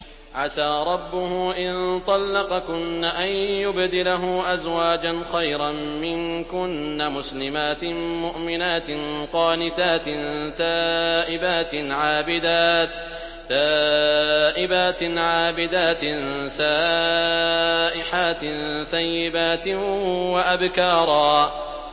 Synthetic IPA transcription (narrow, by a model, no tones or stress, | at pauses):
ʕasaːɾˤɑbːʊhʊʔɪnt̪ˤɑlːɑqɑkʊnːaʔanjʊbd̪ɪlaɦʊʔazwaːd͡ʒanxajɾammɪnkʊnːamʊslɪmaːt̪ɪmʊʔmɪnaːt̪ɪnqɑːnɪt̪aːt̪ɪnt̪aːʔɪbaːt̪ɪnʕaːbɪd̪aːt̪ː | aː | ʔɪbaːt̪ɪnʕaːbɪd̪aːt̪nsaː | ʔɪħaːt̪nθajːɪbaːt̪ɪwaʔabkɑːɾˤɑː